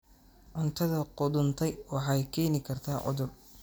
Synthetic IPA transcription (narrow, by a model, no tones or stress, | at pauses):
ʕʊnt̪ʰɐðɐqʊðʊnt̪ʰɛjwɑħɑjkʰɛːnɪkʰɐrt̪ʰaːʕʊ̰ðʊr